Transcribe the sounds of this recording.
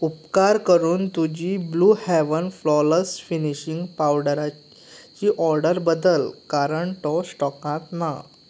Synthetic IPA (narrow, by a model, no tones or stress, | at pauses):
upkaɾkəɾuːnt̪ud͡ʑiːbluhɛʋənflɔləsfiniɕiŋɡpawɖɾa | t͡ɕiːʔɔɾɖəɾbəd̪əlkaɾəɳʈɔsʈɔkãt̪na